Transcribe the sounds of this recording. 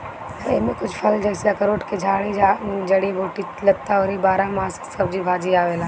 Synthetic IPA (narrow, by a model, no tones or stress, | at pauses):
ɪmẽkʊt͡ʃʰpʰɐld͡ʒɛːseɐkəɾoːʈked͡ʒʱaːɽ̃id͡ʒad͡ʒɐɽiboʈi | lɐt̪aoːɾibaːɾãmaːssɐb̚d͡ʒibʱaːd͡ʒiaːʋeːlãː